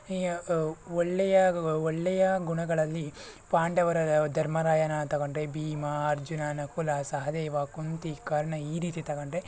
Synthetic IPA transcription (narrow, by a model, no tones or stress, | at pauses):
ɔɭːɛjɐɔɭːɛjɐɡuɳɐɡɐɭɐlːi | paːɳɖɐʋɐɾɐd̪ʱɐɾmɐɾaːjɐnɐt̪ɐɣɐɳɖɾebiːmɐɐɾd͡ʒunaːnɐkulaːsɐɦɐd̪eːʋaːkunt̪ikaːɾɐɳɐiːɾiːt̪it̪ɐɡɐɳɖɾe